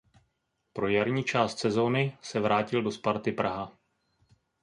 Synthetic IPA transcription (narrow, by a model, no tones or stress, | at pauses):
pɾo̞jaɾɲiːt͡ʃaːst̪sɛzo̞ːnɪsɛvɾaːcɪldo̞spaɾt̪ɪpɾaɦa